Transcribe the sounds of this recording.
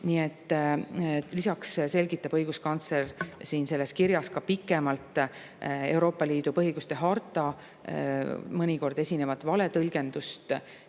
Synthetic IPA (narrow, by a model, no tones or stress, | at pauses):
nie̞t̪ˑː | lisɑksse̞lʲɡ̥it̪ːˑɑbɤjɡ̥uskɑnt̪slersiːnse̞lːe̞skiɾjɑskɑpikːˑe̞mɑlt̪ːˑ | e̞wɾo̞ːpːˑɑliːd̪̥upɤɦiɡ̥ust̪e̞ɦɑrt̪ːˑɑ | mɤnʲiko̞rd̪̥e̞sʲine̞vɑt̪ːˑvɑle̞t̪ɤlʲɡ̥e̞nd̪ust̪